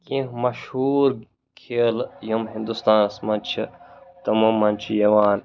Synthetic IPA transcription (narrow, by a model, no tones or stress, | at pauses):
kĩɦmɐʃhuːɾ | kʰeːljɐmɦĩnd̪ust̪aːnsmɐnt͡ʃʰit̪ɐmɐmːɐnt͡ʃʰijɐʋaːn